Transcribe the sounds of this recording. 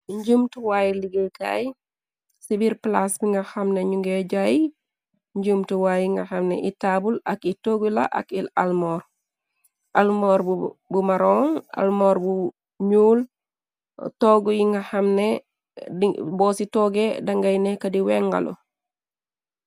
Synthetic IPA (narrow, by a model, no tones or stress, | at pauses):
ɲɟumtuwaːjiliɡilka̰ːj | sibiɾplasbiŋɡahamneɲuŋɡeɟaji | ɲɟumtuwajiŋɡaxamnḛʔitabulakitoːɡula̰ʔa̰kilalmoːɾ | almoːɾbumaɾoŋa̰lmoːɾbu | ɲuːl | toɡujiŋɡɐhɐmne | ibɔːsitoːɡedɐŋɡajnekɐdiweŋɡa̰lo̰